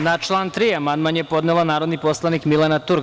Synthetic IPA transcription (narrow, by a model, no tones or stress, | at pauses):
nat͡ʃlˠaːnt̪ɾiamand̪manjepo̞d̪nelanaːɾo̞d̪nipo̞slˠanikmilanat̪uɾ